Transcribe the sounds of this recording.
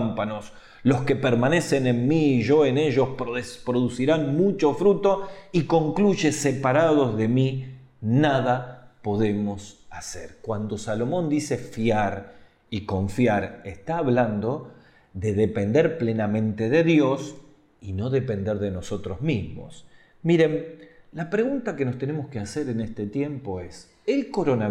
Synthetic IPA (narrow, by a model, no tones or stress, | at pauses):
mpanos | lo̞ske̞peɾmane̞se̞ne̞nmiːʒo̞ene̞ʒo̞spɾospɾoðusiɾanmut͡ʃo̞fɾut̪o̞iko̞ŋkluʒe̞sepaɾaðo̞zðe̞mi | naðapo̞ðe̞mosaseɾkwand̪o̞salo̞mõ̞nd̪ise̞fjaɾ | ikoɱfjaɾest̪aːβland̪o̞ | ðe̞ðepe̞nd̪eɾple̞namẽ̞nt̪e̞ðe̞ðjo̞s | ino̞ðe̞pe̞nd̪eɾðe̞no̞so̞t̪ɾo̞zmizmo̞̰s | miɾe̞nlapɾeɣunt̪ake̞nost̪ene̞moskeaseɾenest̪et̪je̞mpo̞es | elko̞ɾo̞na